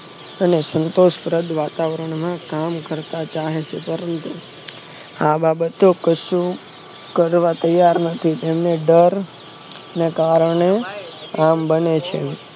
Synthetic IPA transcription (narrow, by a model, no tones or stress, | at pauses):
ənesənt̪oʃpɾəd̪ʱʋat̪aʋɾəɳmãkamkəɾt̪at͡ʃaɦet͡ʃʰepəɾənt̪u | ababət̪okəʃu | kəɾʋat̪əjːaɾnət̪ʰit̪emneɖəɾ | nekaɾəɳeambənet͡ʃʰḛ